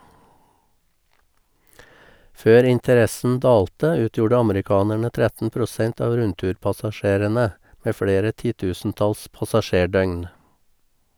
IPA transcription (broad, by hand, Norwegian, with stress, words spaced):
ˈføːɾ ˌɪntəˈɾɛsn̩ ˈdɑːltə ˈʉːtjuːɖə ˈɑmɾɪˌkɑːnæɳə ˈtɾɛtn̩ pɾʊˈsɛnt ˈɑːʋ ˈɾʉntʉːɾpɑsɑˌʃeːɾənə ˈmeː ˈfɽeːɾə ˈtiːˌtʉːsn̩ˌtɑls pɑsɑˈʃeːˌɖœʏn